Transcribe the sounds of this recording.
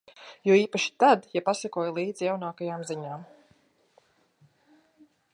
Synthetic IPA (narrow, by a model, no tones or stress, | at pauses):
jɔːiːpaʃi̥t̪ad̪japasakuɔjlˠiːd̪zjawnaːkajaːmziɲaːm